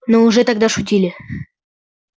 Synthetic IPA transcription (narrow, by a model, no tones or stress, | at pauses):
noʊʐɛt̪ɐɡ̚d̪aʂʊtʲilʲɪ